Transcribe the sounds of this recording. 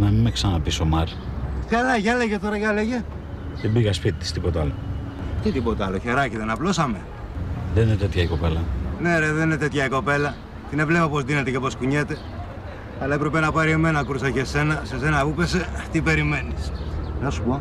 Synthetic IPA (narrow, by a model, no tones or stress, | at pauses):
nɐmimeksɐnɐpisomɐɾçɐɾɐʝɐleʝet̪o̞ɾɐʝɐleʝe | t̪ibiɣɐspit̪it̪i̥st̪ipot̪ɐlo̰ | t̪it̪ibot̪ɐloçeɾɐciðenɐplo̞sɐme̞ | ðeninet̪et̪çɐiko̞pelɐneɾeðeninet̪e̞t̪çɐiko̞pe̞lɐ | t̪ine̞vle̞popo̞zðinet̪ecepo̞skuɲet̪e̞ | ɐlɐepɾepenɐpɐɾieme̞nɐkɾusɐcese̞nɐsese̞nɐupe̞set̪ipe̞ɾime̞nisnɐsu̥po